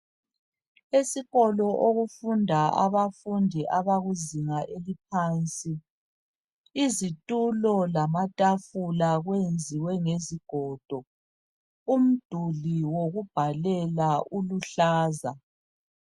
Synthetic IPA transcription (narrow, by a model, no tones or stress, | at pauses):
esiɣɔlɔʔoɣufundʱaʔa̰βafundʱiʔaβaɣuziŋaʔelip̚ʰaːnt͡sʼi | zitʼulɔlamatʼafulaɣwend͡zʱiwɛŋeziɡ̥ʱɔːd̥ʱɔ | um̩d̥ʱuliwoɣub̥ʱalɛlaʔuluɬaːza